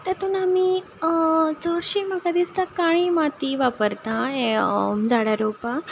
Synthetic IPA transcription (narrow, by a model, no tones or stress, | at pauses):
t̪at̪uːnami | t͡sɔɽɕiməkad̪ist̪akaɽ̃imat̪iʋapəɾt̪ãeɔmd͡zaɽaɾopa